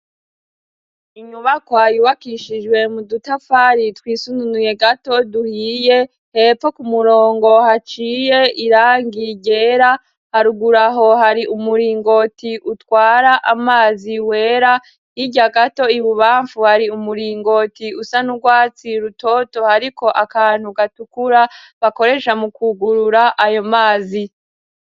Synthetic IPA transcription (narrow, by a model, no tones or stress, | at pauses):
iɲuβakwajuβakiʃid͡ʒwe̞mudutafaɾitwiːsununuje̞ɡato̞duhiːje | hep͡fokumuɾo̞ːŋɡo̞hat͡ʃiːje̞iɾaːŋɡiɟe̞ɾa | haɾuɡuɾaɦo̞haɾiʔumuɾiːŋɡo̞tiʔutwaːɾaʔamaːziwe̞ːɾa | hiɟaɡato̞iβuβaːɱfuhaɾiumuɾiːŋɡo̞tiusanuɡwaːt͡siɾuto̞to̞haɾikʰo̞ʔakaːn̥huɡatukuɾa | βako̞ɾe̞ʃamukuɡuɾuɾaʔajo̞maːzi